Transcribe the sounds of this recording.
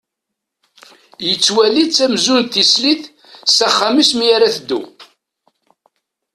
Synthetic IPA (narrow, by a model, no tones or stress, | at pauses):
jət͡sːwælit͡sːæmzunθisliθ | sæχːamismijæɾæθəd̪ːṵ